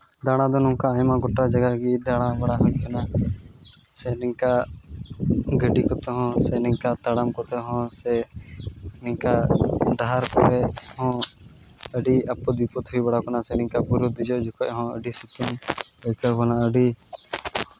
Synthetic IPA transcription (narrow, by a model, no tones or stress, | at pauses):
d̪aɽ̃ãd̪ɔnɔ̃ŋkaajmãɡɔʈːad͡ʒaɡaɡid̪aɽ̃ãbaɽaɦɔ̃ʔkʰɔna | sɛniŋka | ɡəɖikɔt̪ɛɦɔ̃sɛnɛ̃ŋkat̪aɽamkɔt̪ɛɦɔ̃sɛ | nĩŋkaɖaɦaɾkɔɾɛhɔ̃ | əɖiəpːɔd̪bipɔt̪ɦujbaɽakɔnasɛnĩŋkabuɾud̪id͡ʒɔʔd͡ʒɔkɔʔɦɔ̃ə̰ɖisit̪imɔkakɔnaəɖi